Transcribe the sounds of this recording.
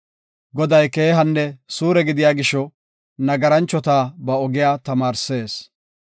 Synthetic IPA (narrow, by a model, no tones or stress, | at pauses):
ɡɔd̪ɐjke̞ːɦɐnːɛsuːɾɛɡɪd̪ɪjaːɡɪʃːɔ | nɐɡɐɾɐnt͡ʃːɔt̪aːbɐɔɡɪjaːt̪ɐmaːɾse̞ːs